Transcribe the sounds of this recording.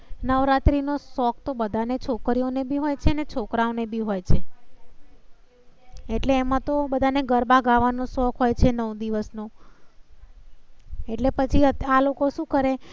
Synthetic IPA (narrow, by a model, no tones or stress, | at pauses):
nəʋɾat̪ɾinosɔkʰt̪obəd̪ʱanet͡ʃʰokɾionebʱiɦojt͡ʃʰenet͡ʃʰokɾaonebʱiɦojt͡ʃʰe | eʈleːmãt̪obəd̪ʱaneɡəɾbʱaɡaʋanosɔkʰɦojt͡ʃʰenəʋd̪iʋəsno | eʈlepət͡ʃʰiəalokoʃũkəɾe